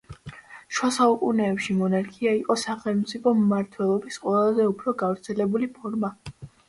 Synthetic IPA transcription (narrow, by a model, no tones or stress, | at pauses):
ʃwasaukʼunɛːpʃimɔnaɾkʰiaiqʼɔsaχɛlˠmt̪sʼipʰɔmːaɾt̪ʰwɛlˠɔbisqʼwɛlˠazɛupʰɾɔɡavɾt̪sʰɛlɛbulipʰɔɾma